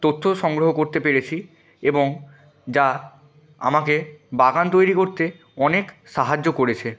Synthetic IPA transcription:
t̪ot̪ʰːoʃɔŋɡɾoɦokoɾt̪epeɾet͡ɕʰi | eboŋ | d͡ʑa | a̰makebaɡant̪ojɾikoɾt̪e | ɔnekʃaɦad͡ʑːokoɾet͡ɕʰe

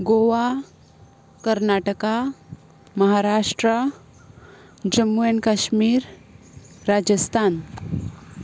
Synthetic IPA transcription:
ɡoʋa | kəɾnaʈəka | mɐɦaɾaʂʈɾə | d͡ʒəmːuenkaʃmiːɾ | ɾad͡ʒəst̪ʰaːn

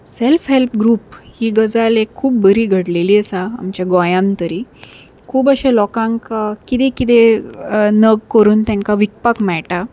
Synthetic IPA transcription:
selfɦelpɡɾuːphiːɡəd͡zalekʰːuːp̚bəɾiːɡʱəɽleliːəsã̰ːmt͡ɕjaɡɔjãnt̪əɾiː | kʰuːbəɕẽlɔkãŋkakit̪ekit̪e | nəɡkəɾuːnt̪ãŋkaʋik̚pakmɛɭʈa

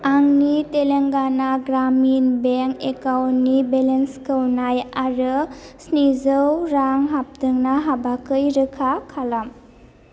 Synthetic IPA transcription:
aŋniteleŋɡanaɡɾaminbeŋkekawtnibelenskɯwnajaɾɯsnizɯwɾaŋɦap̚tɯŋnaɦabakɯjɾɯkʰakʰalam

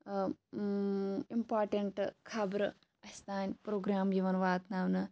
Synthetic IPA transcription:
impaːɾʈɐɳʈkʰɐbɾɨ | ɐst̪aːnpɾoːɡɾaːmjiʋɐnʋaːt̪naːʋnɨ

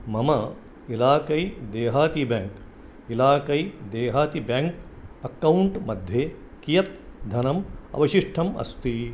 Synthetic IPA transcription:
mɐmɐ | ilaːkɐjd̪eːɦaːt̪ibjaŋk | ilaːkɐjd̪eːɦaːt̪ibaŋkɐkːɐwɳʈmɐd̪ʱje | kijɐt̪̚d̪ʱɐnɐmɐ̰ʋɐʃiʂʈʰɐmɐ̰st̪i

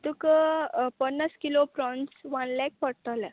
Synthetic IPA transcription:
t̪ukəpənːaskilopɾɔnsʋanlɛk̚pəɽt̪ala

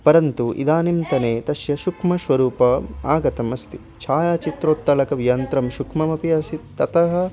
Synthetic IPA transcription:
pɐɾɐnt̪uʔḭd̪aːnimt̪ɐneːt̪ɐʃjɐʃukʰmɐʃʋɐɾuːpɐaːɡɐt̪ɐmɐst̪i | t͡ʃʰaːjaːt͡ʃit̪ɾoːt̪ːɐlɐkɐʋijɐnt̪ɾɐmʃukʰmɐmɐpijɐːsit̪ːɐt̪ɐɦɐ̆

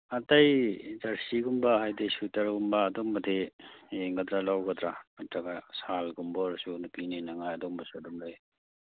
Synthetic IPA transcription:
ɐtajzaɾsiɡumbɐɦajdejsutɐɾɡumbɐːdombɐdeeŋɡɐd̪ɾalawɡɐd̪ɾamatɾɐɡasalɡumboɾsunupininɐŋajɐdombɐsuɐdɔmda

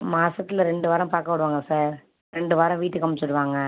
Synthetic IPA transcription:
maːsɐt̪ːɪlɐɾɛɳɖɯʋaːɾɐ̃paːɾkɐpːɐɽɯʋaːŋɡɐsaːɾ | ɾɛɳɖɯʋaːɾɐ̃ʋiːʈːɯkːɐmːɪt͡ʃːɯɽɯʋaːŋɡɐ

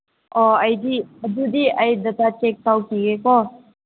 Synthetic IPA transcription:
ɔəjd̪iəd̪ud̪iʔajd̪ɐt̪at͡ʃek̚t̪awkiɡekɔ

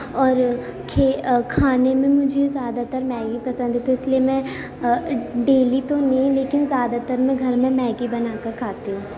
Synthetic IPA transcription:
ɔːɾkʰekʰaːnemẽmʊd͡ʒʱezjaːd̪at̪əɾmɛːɡipɐsə̃nd̪eːt̪ʰiɪsliemɛ̃ | ɖeːlit̪onɐɦĩleːkɪnzjaːd̪at̪əɾmɛ̃ɡʱɐɾmẽmɛːɡibɐnaːkɐɾkʰaːt̪iɦũː

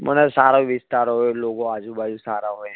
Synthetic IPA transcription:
mʔo̰nesaːɾoʋɪst̪aːɾɦoeloːɡõaːd͡ʒubaːd͡ʒusaːɾaɦoɛ̃

